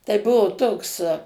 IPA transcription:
tɐɪ ˈbʊʋoː ˈtoːks

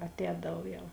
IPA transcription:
ɐtʲˈɛːdɐw ˈjɛʊ

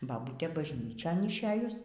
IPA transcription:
bɐˈbuːtʲeː bɐʒʲˈnʲiːt͡ʃʲoːn ɪʃʲˈeːjʊs

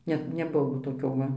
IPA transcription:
ˈnʲɛ nʲɛˈbʊʋoː toːˈkʲoː ˈʋɐ

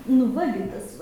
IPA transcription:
nʊ ˈʋɐ ɡʲɪ ˈtɐs ʋɐ

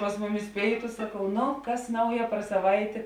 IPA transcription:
pɐs ˈmʊˌmʲɪs ˈpʲeːɪtʊ sɐˈkɐʊ ˈnʊ ˈkɐs ˈnɐʊjɛ pɐr sɐˈʋɐɪtʲeː

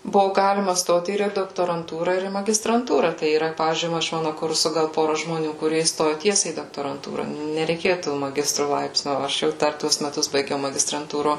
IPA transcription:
ˈbʊʋoː ˈɡɑːlʲɪmɐ ˈstoːt ɪr iː doːktoːrɐnˈtuːrɐ ɪr iː mɐɡʲɪstrɐntuːrɐ ˈtɐɪ iːˈrɐ ˈpɑːʋʲiːzʲd͡ʒʲʊɪ ˈʋɐ ɪʃ ˈmɑːnʊ ˈkʊrsʊ ˈɡɐlˠ ˈpoːrɐ ʒmoːˈnʲuː kʊˈrʲiɛ iːsˈtoːjʊ ˈtʲiɛsʲɛɪ iː doːktoːrɐnˈtuːrɐ nʲɛrʲɛɪˈkʲeːjʊ toː mɐˈɡʲɪstrʊ ˈlˠɐɪpʲsʲnʲʊ oː ˈɐʃ jɛʊ ˈdɐr ˈtuɔs mʲɛˈtʊs bɐɪˈɡʲɛʊ mɐɡʲɪstrɐnˈtuːroː

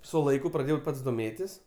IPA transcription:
sʊ lˠɐɪˈkʊ prɐˈdʲeːjɛʊ ˈpɐts doːˈmʲeːtʲɪs

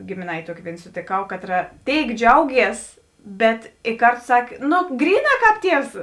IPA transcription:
ɡʲeːmʲeːˈnɐɪtʲeː ˈtuɔkʲeː ˈʋʲeːɪn soːtʲeːˈkɐʊ ˈkɑːtˌrɐ ˈtʲeːɪk ˈd͡ʒʲɛʊˌɡʲiɛs ˈbʲɛt ɪ ˈkɐrtʊ ˈsɑːkʲeː ˈnoː ˈɡrʲiːˌnɑː ˈkɑːp ˈtʲiɛws

